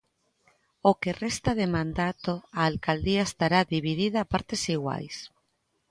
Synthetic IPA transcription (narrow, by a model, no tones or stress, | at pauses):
okerɛst̪aðemãnd̪at̪oaːlkald̪iaest̪aɾaðiβ̞iðiðaːpaɾt̪esiɣwa̰js